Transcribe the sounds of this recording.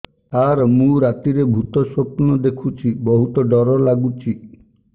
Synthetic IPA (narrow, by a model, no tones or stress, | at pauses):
aɾmũɾat̪iɾebʱut̪ɔsopnɔd̪ekʰut͡ʃʰibɔɦut̪ɔɖɔɾɔlaɡut͡ʃʰi